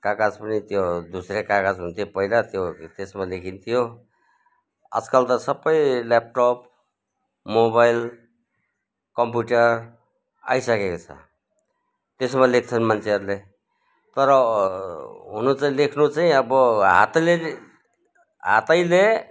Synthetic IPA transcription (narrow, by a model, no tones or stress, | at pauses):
kakat͡spʌnit̪jod̪usɾekakad͡zɦunt̪ʰijopʌilat̪jot̪esmalekʰint̪ʰijo | ʌ̰d͡zkʌlt̪ʌsʌbʌjlap̚ʈop̚ | mobajl | kʌmpjuʈʌr | a̰jsʌkekot͡sʰʌ̰ | t̪esmalek̚ʰt͡sʰʌnmant͡sʰeɦʌɾule | t̪ʌɾʌ | ɦunut͡saĩlekʰnut͡saĩʌbʌɦa̰t̪le | ɦa̰t̪ʌjle